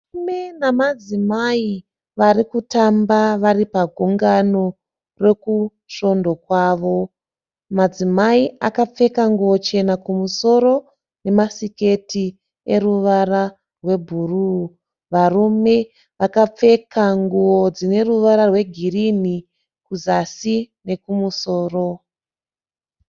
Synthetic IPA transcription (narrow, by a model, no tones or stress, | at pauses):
menamad͡zimai | ʋarikutambaʋaɾipaɡʱuŋɡano̞ | re̞ku | ʃo̞ndo̞kwaːʋo̞ | mad͡zimaiakap͡fe̞kaŋɡuo̞t͡ʃe̞nakumuso̞ɾo̞ | ne̞masike̞ti | e̞ruʋara | rwe̞bʱuru | ʋarume̞ | ʋakap͡fe̞kʰaŋɡuwod͡zine̞ruʋaɾarwe̞ɡʱirini | kuzasine̞kumuso̞ːro̞